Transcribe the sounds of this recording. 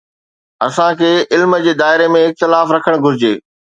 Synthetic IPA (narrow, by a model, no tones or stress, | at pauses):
ɐsãkʰeːɪlməd͡ʑeːd̪aːɪɾemẽɪk̚t̪ɪlaːfɾɐkʰəɽ̃ɡʱʊɾɪd͡ʑeː